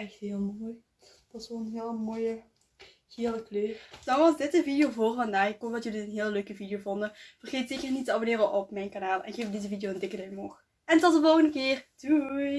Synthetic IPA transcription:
ɛxtɦɪːlˠmoːj | d̥ɑtsʋɔlˠənɦɪːlˠəmoːjə | ɣɪːləkløːd̥ɑnʋɑsdɪtəvidɪjoːvoːrvɑndaːɪkodɑtjɵliənɦɪːləløɥkəvidijoːvɔndəfərxeːtseːkərnitəɑbənɪːrəʔɔpmɛjnkanaːlˠɛ̰nɪxeːfdɪzəvidijoəntɪkədɛmɔx | ɛntɔtəɔlˠənəkɪːrdu

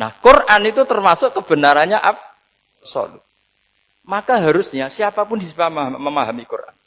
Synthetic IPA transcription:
na̰hkʊrʔanit̪ut̪ərmasʊʔkəb̥ə̤naɾaɲaʔap̚ | sɔ̰lṵ | makaɦaɾʊsɲasiapapʊndispamməmaɦamikurʔa̰n

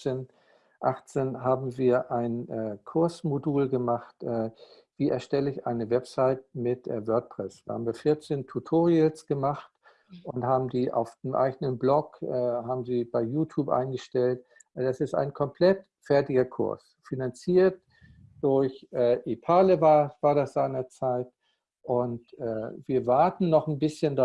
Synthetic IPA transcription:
en | ʔaχt͡seːnɦaːbm̩viːɐʔaɪnɛkʰʊɐsmoduːlɡəmaχtʔɛː | v̥iːʔɛ̰ɐʃtɛləɪçʔa̰ɪnəvɛpz̥aɪt̚mɪtvœɐt̚pʁ̥ɛsv̥iɐha̰ːbm̩viːɐfɪɐt͡seːntʰutʰoːʁiəlsɡ̥əmaχt | ʔʊnthaːbm̩diːʔa̰ʊfd̥emʔa̰ɪɡənənblɔkʔɛːɦaːbm̩ziːb̥aɪjuːtʰuːpʔa̰ɪnɡəʃtɛltʔd̥asɪsta̰ɪnkʰɔmpʰl̥ɛt | fɛɐtɪɡɐkʰʊ̰ɐs | finant͡siːɐt | d̥ʊɐçʔɛːʔipʰaːləvav̥aːɐdasz̥aɪnɐt͡saɪt̚ | ʔʊntʔɛːviːɐvaɐtn̩nɔχn̩bɪsçənd

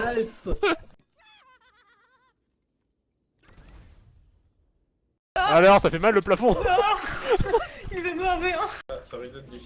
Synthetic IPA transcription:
ɛs | alɔʁsafɛmalːəplafɔ̃ | ilvɛmɛʁveãsavt̪ɛt̪d̪i

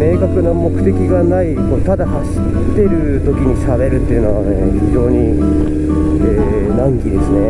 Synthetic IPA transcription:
me̞ːkakɯ̟namo̞kɯ̟̥t̪e̞kʲiɡanaikoːt̪ad̪ahaɕi̥ | t̪ːe̞ɾɯ̟ | t̪o̞kʲiɲ̟iɕabe̞ɾɯ̟t̪ːe̞iɯ̟no̞βaeçid͡ʑo̞ːɲ̟i | eː | nãŋkʲid̪e̞sɨne̞

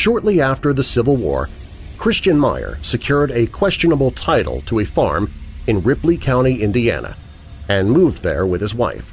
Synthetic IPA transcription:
ʃɔɹtˡliæftə˞ðɨsɪvl̩ˠwɔ̰ɹ | kʰɹ̥ɪst͡ʃɨ̃nma̰ɪə̰˞sɨkʰj̥ʊɹɾɨkʰw̥ɛst͡ʃɨnəbl̩ˠtʰaɪɾl̩ˠtʰəɨfɑ̰ɹmɨ̃nɹɪplikʰãʊ̃ɾ̃iɪ̃ndiæ̰nɨ̰ | ɨ̃nmuvðə̰˞wɨð̥ɨzwa̰ɪf

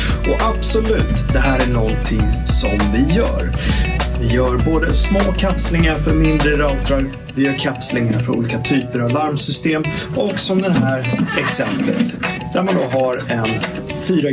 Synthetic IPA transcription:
ɔʔab̥sɔlʉ̟ːt̪d̪ɛɦæːɾæɳɔnt̪ʰɪŋsɔmvɪjœ̰ːɾvɪjœːɾboːd̪əsmoːkʰapslɪŋaɾfœɾmɪnd̪ɾəɾɑːt̪ʰɾaɾ | vɪjœːɾkʰapslɪŋaɾfœɾṵliːkat̪ʰyːpəɾavlaɾmsʏst̪eːmɔksɔmd̪ɛnɦæːɾɛksɛmplə̰t̪d̪̥æɾmand̪ɔɦaɾɛn | fyːɾa

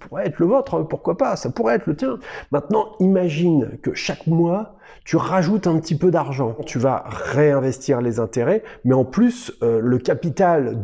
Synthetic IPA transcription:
puʁɛɛt̪χləvot̪χɛ̃puʁkwapasapuʁɛɛt̪lət̪jɛ̃mɛ̃t̪nɑ̃imaʒinkəʃakmwa | t̪yʁaʒut̪ɛ̃pət̪ipød̪aʁʒɑ̃t̪yva̰ʁeɛ̃vɛst̪iʁlezɛ̃t̪eʁɛmɛɑ̃plysøləkʲapit̪ald̪

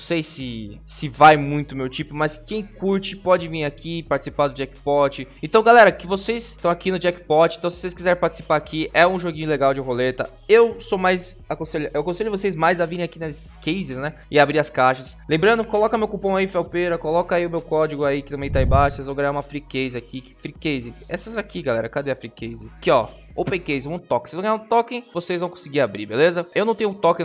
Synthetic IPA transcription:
ñsejsɪsɪvajmũj̃t̪ʊʊmewt͡ʃipʊmɐskẽj̃kuɾt͡ʃɪpɔd͡ʒɪvĩakʰipaɾt͡ʃɪ̥si̥paɾd̪ʊd͡ʒɛkɪ̥pɔt͡ʃɪẽnt̪ɐ̃w̃ɡalɛɾɐkɪvosest̪ɐ̃w̃akinʊd͡ʒɛkɪ̥pɔt͡ʃɪẽt̪ɐ̃w̃sɪ̥vosejskizɛɾẽpaɾt͡ʃɪ̥si̥paɾakʰiʔɛũʒoɡĩɲʊleɡawd͡ʒɪɦolet̪ɐ | ewsomajzakõseʎʊewakõseʎʊɪvosejzmajzaviɾẽj̃akinɐskejzɪsnɛ | ɪabɾiɾɐskaʃɐslẽbɾɐ̃nd̪ʊkolɔkɐmewkupɐ̃w̃aifɛwpeɾɐkolɔkɐaiʊmewkɔd͡ʒɪɡʊaikɪt̪ɐ̃mẽj̃t̪aĩbaʃevõwɡaɲaũmɐfɾikezɪakikɪ̥fɾikezɪɛsɐzakiɡalɛɾɐkad̪ɛɐfɾikezɪkɪɔ | opẽjkejzɪvɐ̃t̪ɔkɪ̃sezṽwɡaɲaũt̪ɔkẽvosejzvɐ̃w̃kõsɪɡiɾabɾibelezɐewñt̪ẽũt̪ɔkẽ

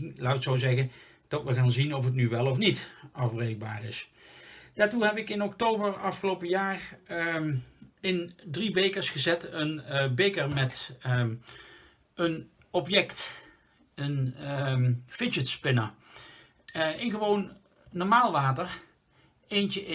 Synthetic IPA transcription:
laːtɪksowzɛɣən | d̥ɑtʋəχaːnzinɔfət̬nyʋɛlˠɔfnitʔɑvbrejɡ̚ba̰ːrɪs | d̥aːɹtuɦɛpɪkɪnɔktowbəɹɑfχəlowpəjaːr | ɪndribejkəɹsχəzɛtənbejkəɹmɛt | ən | ɔpjɛkt | ən | fɪd͡ʒətspɪnə | ɪnχəʋownː | ɔɹmaːlˠʋaːtəɹ | ejncəʔ

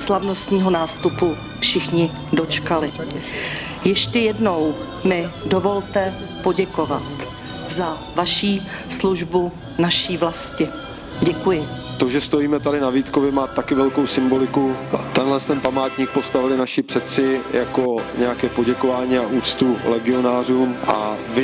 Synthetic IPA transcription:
slavno̞st̪ɲiːɦo̞naːst̪upu | fʃɪxɲɪ | do̞t͡ʃkalɪ | jɛʃcɛjɛdno̞w | mɪdovo̞lt̪ɛ | po̞ɟɛko̞vat̪ | za | vaʃiː | sluʒbu | naʃiːvlascɪ | ɟɛkujɪ | t̪o̞ʒɛst̪ojiːmɛt̪adɪnaviːt̪kovɪɛmaːt̪akɪvɛlkowsɪmbo̞lɪkut̪ɛnɦlɛst̪ɛnpamaːt̪ɲiːk̚post̪avɪlɪnaʃɪpr̥ɛt̪t͡sɪjakoɲɛjakɛːpo̞ɟɛkovaːɲiːaʔuːt̪t͡st̪ulɛɡɪo̞naːruːmʔa̰ | vɪ

